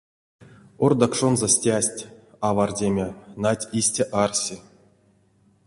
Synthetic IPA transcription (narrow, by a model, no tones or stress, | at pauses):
ord̪akʂonzasʲtʲasʲtʲ | avardʲemʲenatʲisʲtʲaʔarsʲi